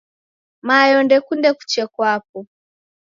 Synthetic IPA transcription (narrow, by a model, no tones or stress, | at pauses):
majɔndɛkundɛku̥t͡ʃɛkwap̚ɔ